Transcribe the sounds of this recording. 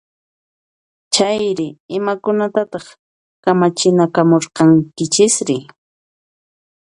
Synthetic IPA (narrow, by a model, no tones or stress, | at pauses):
t͡ʃajɾɪɪmakʊnat̪at̪ɑχ | kamat͡ʃɪnakamoɾqɑŋkɪt͡ʃɪsɾɪ